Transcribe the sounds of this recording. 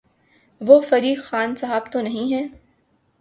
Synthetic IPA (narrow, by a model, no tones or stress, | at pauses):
ʋofɐɾiːxxaːnsɐɦaːbt̪onɐɦĩɦɛː